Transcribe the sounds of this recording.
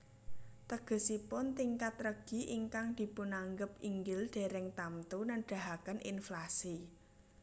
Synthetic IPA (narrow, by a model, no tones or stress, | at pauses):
t̪əɡ̥ə̤sipʊnt̪iŋkat̪rəɡ̥i̤ʔiŋkaŋd̪̥i̤pʊnaŋɡəpiŋɡɪlɖ̥e̤ɾɛŋt̪amt̪unanɖ̥a̤ɦakənʔḭnflasi